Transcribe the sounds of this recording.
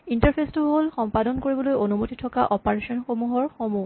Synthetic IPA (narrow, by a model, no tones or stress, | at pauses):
intaɹpʰestuɦolxɔmpadɔnkoɹibɔlojonumotitʰɔka̰ʔɔpaɹesɔnxomuɦɔɹxomu